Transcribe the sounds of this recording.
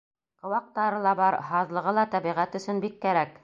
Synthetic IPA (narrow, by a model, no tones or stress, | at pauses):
qɤ̆wɑq̚t̪ɑɾɤlˠɑbɑɾɦɑðlˠɤ̆ʁɤlˠɑt̪æβiʁæt̪ɵ̆sɵnbikːæɾæk